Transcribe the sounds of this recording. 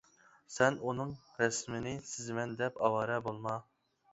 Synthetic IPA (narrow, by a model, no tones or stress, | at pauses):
sɛnunɨŋɾɛsmɪnɪsɪzmɛnd̪ɛpɑwɑːɾɛbolˠmɑ